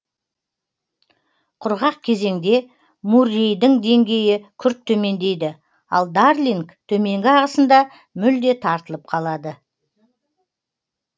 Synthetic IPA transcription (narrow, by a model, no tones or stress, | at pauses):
qʰʊɾʁɑq̚kʲʰe̞ze̞ŋd̪e̞ | murejd̪ɪŋd̪e̞ŋɡʲe̞jɪkʲʰʏɾtt̪ʰːɵme̞nd̪e̞jd̪ɪ | ɑ̰lˠd̪arliŋkt̪ʰɵme̞ŋɡʲɪɑʁəsənd̪ɑ | mʏld̪e̞t̪ʰɑɾt̪əlˠəp̚qʰɑlˠɑd̪ə